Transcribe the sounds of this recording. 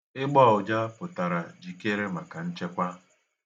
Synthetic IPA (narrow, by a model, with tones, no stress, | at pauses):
ɪ˦ɡ͡bɔ˦˨ʊ˨d͡ʒa˦pʊ˨ta˨ɾa˨d͡ʒi˨ke˦ɾe˦ma˨ka˨n̩˦t͡ʃe˦kʷa˦